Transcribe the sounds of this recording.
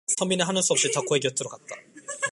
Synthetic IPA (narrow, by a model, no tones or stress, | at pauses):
sʰʌmineɦanɯs͈ʌp̚ɕ͈itak͈oeɡijʌt͈ʰɯɾokat̚t͈a̰